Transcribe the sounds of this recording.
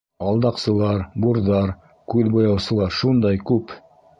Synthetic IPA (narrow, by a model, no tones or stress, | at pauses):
ɑlˠd̪ɑqsɤ̆lˠɑɾbuɾðɑɾ | kʉðbŏjɑwsɤ̆lˠɑɾʃund̪ɑjkʉp